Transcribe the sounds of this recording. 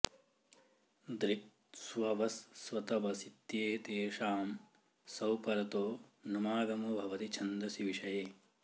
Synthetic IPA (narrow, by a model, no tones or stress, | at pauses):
d̪ɾik̪̚ | sʋɐʋɐsːʋɐt̪ɐʋɐsit̪jeːt̪eːʃaːm | sɐwpɐɾɐt̪oːnumaːɡɐmɐbʱɐʋɐt̪it͡ʃʰɐnd̪ɾɐsiʋiʃɐjeː